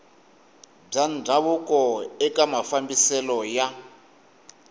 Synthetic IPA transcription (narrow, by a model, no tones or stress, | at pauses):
b͡ʐand͡zʱaβukɔɛkamafambisɛlɔja